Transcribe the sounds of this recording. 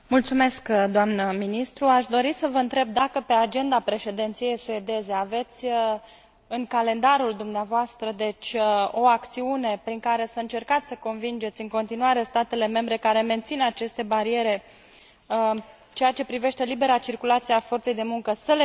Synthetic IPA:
mult̪sume̞skd̪oamnəminist̪ɾuaʃd̪o̞ɾisəvəɨnt̪ɾe̞b̚d̪akəpe̞ad͡ʒe̞nd̪apɾe̞ʃe̞d̪e̞nt̪sije̞jsued̪e̞ze̞ave̞t̪sʲ | ɨŋkale̞nd̪aɾuld̪umneavoast̪ɾəd̪e̞t͡ʃʲo̞akt̪siune̞pɾiŋkaɾe̞səɨnt͡ʃe̞rkat̪sʲsəko̞nvind͡ʒe̞t̪sʲɨŋko̞nt̪inuaɾe̞st̪at̪e̞le̞me̞mbɾe̞kaɾe̞me̞nt̪sinat͡ʃe̞st̪e̞baɾie̞ɾe̞ | ɨt͡ʃeat͡ʃe̞pɾive̞ʃt̪e̞libe̞ɾat͡ʃirkulat̪sieafo̞rt̪sejd̪e̞muŋkəsəle

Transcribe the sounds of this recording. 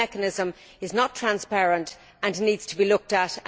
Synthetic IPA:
ɛkənɪzə̃m | ɪznətʰɹ̥ãnspɛɹə̃nt | ə̃nniːdz̥tʰəbilʊk̚təɾ

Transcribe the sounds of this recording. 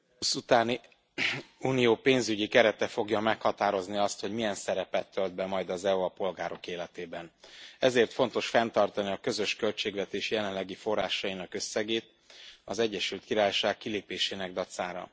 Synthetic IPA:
usut̪aːni | uːnijoːpeːnzyɟikɛɾɛt̪ɛfo̞ɡjɒmɛkhɒt̪aːɾo̞zniɒst̪ho̞ɟmijɛnsɛɾɛpɛt̪ːøld̪̚bɛmɒjd̪ɒzɛuɒpo̞lɡaːɾo̞keːlɛt̪eːbɛnɛzeːrt̪fo̞n̪t̪o̞ʃfɛnt̪ɒrt̪ɒniɒkø̞zø̞ʃkø̞lt͡ʃeːɡʋɛt̪eːʃjɛlɛnlɛɡifo̞rːaːʃɒjinɒkøsːɛɡeːt̪̚ | ɒzɛɟːɛʃylt̪kiɾaːjʃaːkkileːpeːʃeːnɛɡ̚d̪ɒt̪saːɾɒ̰

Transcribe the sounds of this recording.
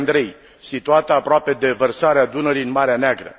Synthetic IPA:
nd̪ɾe̞j | sit̪uat̪əapɾoape̞d̪e̞vərsaɾead̪unəɾinmaɾeaneaɡɾə̰

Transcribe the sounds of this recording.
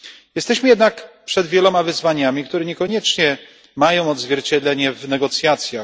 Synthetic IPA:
jɛst̪ɛɕmɘjɛd̪nakpʂɛd̪vʲjɛlɔmavɘzvaɲamʲikt̪uɾɛɲɛkɔɲɛt͡ʂɲɛ | majɔ̃w̃ɔd̪zvʲjɛɾt͡ɕɛd̪lɛɲɛvnɛɡɔt̪sʲjat̪sʲja

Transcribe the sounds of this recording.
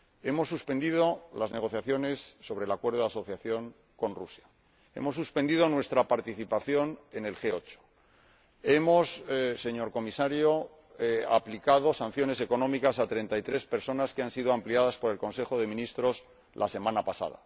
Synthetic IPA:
e̞mo̞sːuspe̞nd̪iðo̞lazne̞ɣ̞o̞θjaθjo̞ne̞sːo̞βɾeːlakwe̞ɾðoðaso̞θjaθjo̞ŋ | ko̞nrusja | e̞̰mo̞sːuspe̞nd̪iðo̞nwe̞st̪ɾapaɾt̪iθipaθjo̞nene̞lxe̞o̞t͡ʃo̥ | e̞mo̞sse̞ɲo̞ɾko̞misaɾjo | a̰plikað̞o̞san̟θjo̞ne̞se̞ko̞nõ̞mikasat̪ɾe̞nt̪ait̪ɾe̞spe̞ɾso̞naskeansiðoampliað̞aspo̞ɾe̞lko̞nse̞xo̞ðe̞mĩnist̪ɾo̞s | lʔase̞mãnapasa̰ða̰

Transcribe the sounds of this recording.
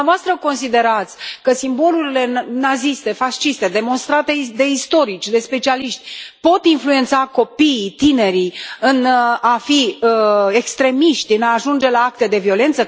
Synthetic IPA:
voast̪ɾəko̞nsid̪e̞ɾat̪sʲkəsimbo̞luɾile̞nazist̪e̞faʃt͡ʃist̪e̞d̪e̞mo̞nst̪ɾat̪e̞d̪e̞ist̪o̞ɾit͡ʃʲd̪e̞spe̞t͡ʃialiʃt̪ʲpo̞t̪influe̞nt̪sako̞piːt̪ine̞ɾijɨnafiəe̞kst̪ɾe̞miʃt̪ʲɨnaːʒund͡ʒe̞laak̚t̪e̞d̪e̞vio̞le̞nt̪sə

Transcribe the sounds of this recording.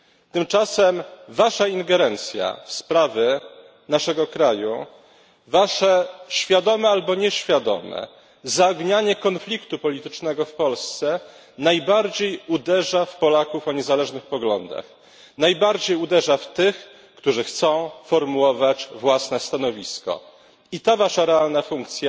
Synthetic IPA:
t̪ɘmt͡ʂasɛmvaʂaiŋɡɛɾɛnt̪sʲja̰fspɾavʲɛ | naʂɛɡɔkɾajṵ | vaʂɛɕfʲjad̪ɔmɛalbɔɲɛɕfʲjad̪ɔ̰mɛ̰ | zaɡɲaɲɛkɔnflʲikt̪upɔlʲit̪ɘt͡ʂnɛɡɔfpɔlst̪sɛ | najbaɾd͡ʑejud̪ɛʐafpɔlakufɔɲɛzalɛʐnɘxpɔɡlɔnd̪a̰x | najbaɾd͡ʑejud̪ɛʐaft̪ɘx | kt̪uʐɘxt̪sɔ̃w̃fɔɾmuwɔvat͡ɕvwasnɛst̪anɔvʲiskɔ̰ | it̪avaʂaɾɛalnafuŋkt̪sʲja

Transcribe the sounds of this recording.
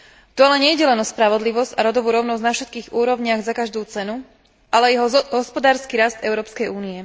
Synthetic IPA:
t̪ɔalɛɲɛjɟɛlɛnɔspɾaʋɔd̪liʋɔzcaɾɔd̪ɔʋuːɾɔʊnɔznafʃɛt̪kiːɣuːɾɔʊɲɪaɣzakaʒd̪uːt͡sɛnu | ʔalɛjɦɔɦɔspɔd̪aːɾskiɾasd̪ɛʊɾɔːpskɛjuːniɛ

